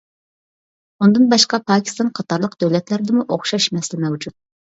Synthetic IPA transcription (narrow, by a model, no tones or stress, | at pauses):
und̪ɨnbɑʃqɑpʰɑːkʲʰi̥st̪ɑnqʰɑt̪ɑɾlˠəqd̪̥øwlɛt̪læɾɪd̪ɪmuʔoχʃɑʃmɛsɪlɪmɛwd͡ʒut̪̚